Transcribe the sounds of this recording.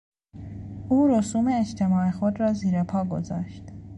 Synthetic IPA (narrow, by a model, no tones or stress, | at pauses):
uːɾosuːmeːd͡ʒt̪ʰemɒːexod̪ɾɒːziːɾepʰɒːɡo̞̰zɒ̰ːʃt̪